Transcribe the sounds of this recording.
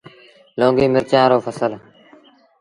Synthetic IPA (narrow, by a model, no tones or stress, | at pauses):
lõːŋɡiːmɪɾt͡ʃãːɾoːpʰəsəl